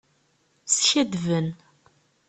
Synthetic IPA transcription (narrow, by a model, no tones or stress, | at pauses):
sçæd̪vən